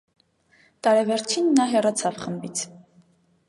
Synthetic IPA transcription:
t̪ɑɾɛvɛɾt͡ʃʰinːɑɦɛrɑt͡sʰɑvχəmbit͡sʰ

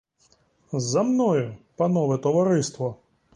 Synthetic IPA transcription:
zɐmnɔjʊpɐnɔʋɛt̪ɔʋɐɾɪst̪ʋɔ

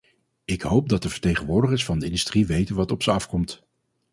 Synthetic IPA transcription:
ɪkɦowp̚dɑt̚dəvə̥ɹtejχənʋʊːɹdəχəɹsfɑndəɪndystriʋejtənʋɑtɔpsəɑfkɔmt

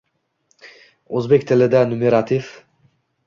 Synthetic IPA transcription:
ɵzbe̞k̚ʲt̪ʰɪlɪd̪anʊmeɾat̪ʰif

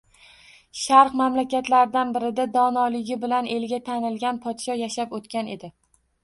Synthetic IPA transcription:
ʃaɾqmamlakʲat̪laɾɪd̪anbɪɾɪd̪ad̪ɒnɒlɪɡʲɪbɪlane̞lɡʲat̪ʰanɪlɡʲanpʰɒd̪ʃɒjaʃapot̪kʲane̞̰d̪ɪ

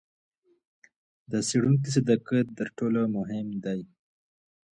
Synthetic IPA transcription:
d̪əseɽuŋk̬is̬ad̪akəd̪əɾʈolomʊɦɪmd̪aj

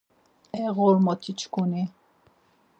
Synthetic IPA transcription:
ɛʁɔɾmɔt̪ʰit͡ʃʰkuni

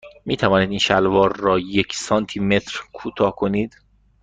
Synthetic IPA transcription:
miːt̪ʰævɒːniːd̪iːnʃælvɒːɾːɒːjecʰsɒːnt̪ʰiːme̞t̪ʰɾkʰuːt̪ʰɒːhkʰoniːd̪

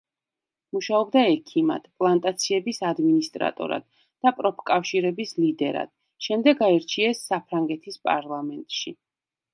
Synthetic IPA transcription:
muʃaɔbd̪aɛkʰima̰d̪̥pʼlˠant̪ʼat̪sʰiɛbisad̪minist̪ʼɾa̰t̪ʼɔ̰ɾa̰d̪̥ | d̪̥apʼɾɔpʰkʼafʃiɾɛbislid̪ɛɾa̰d̪̥ | ʃɛmd̪ɛɡaɛɾt͡ʃʰiɛsːapʰɾaŋɡɛt̪ʰispʼa̰ɾlˠamɛnt̪ʼʃi

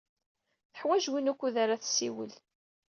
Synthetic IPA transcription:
θə̥ħwæʒwinukʷːuðaɾaθsːiwə̰l

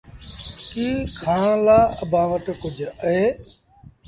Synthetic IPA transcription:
kiːkʰaːɳ̃laːəbʱãːʋəʈkʊd͡ʒʱəɦeː

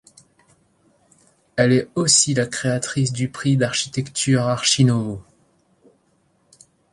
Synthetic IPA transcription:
ɛlɛosilakχeat̪χis̬d̪ypχid̪aʁʃi̥t̪ɛkt̪ʰyʁaʁʃinɔvo

